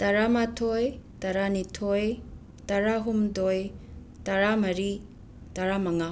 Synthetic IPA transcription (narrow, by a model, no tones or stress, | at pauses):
taɾamatʰojtaɾanitʰoj | taɾaɦumdoj | taɾamɐɾi | taɾamaŋa